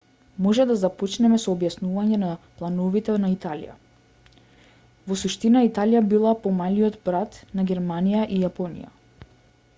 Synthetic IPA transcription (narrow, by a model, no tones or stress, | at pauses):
mɔʒɛd̪azapɔt͡ʃnɛmɛsɔːbjasnuvaɲɛnaplˠanɔvit̪ɛnait̪alḭja̰ | vɔsuʃt̪inait̪alijabilˠapɔmaliɔd̪bɾat̪naɡʲɛɾmanijaʔijapɔnḭja̰